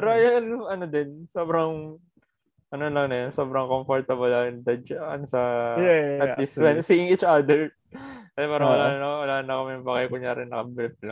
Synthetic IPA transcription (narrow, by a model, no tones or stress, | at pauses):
pɐɾɐɐjaɐnŋʔɐnod̪ɪnsoːbɾɐŋ | ʔɐnolɐŋnɐjonso̞ːbɾɐŋkomfoɹt̪ɐbolɐjnd̪ɐd͡ʒɐʔɐ̰nsɐ | ɐt̪ɪswɛnsiːɪŋit͡ʃʔad̪ɛɹ | kɐsapaːɾɐwɐlaːnɐnɐwɐlaːɐnːɐkomɐjŋpakɐjkʊɲaːɾɪnːɐkɐbɾɪp̚lɐŋ